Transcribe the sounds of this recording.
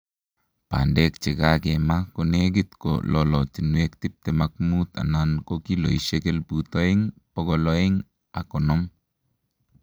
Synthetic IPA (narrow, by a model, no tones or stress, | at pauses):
pa̰ndɛkt͡ʃekakɛmakoneɡ̬it̪ko̰lɔlɔt͡ʃinwekt̪ip̚t̪ɛmak̚mut̪a̰nankokilo̰iʃekɛlput̪ɔiŋpɔɡɔlɔeŋ | akɔnɔm